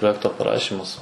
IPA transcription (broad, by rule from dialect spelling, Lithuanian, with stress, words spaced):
proːˈjæːktoː pɐˈrɑːʃʲɪmɐs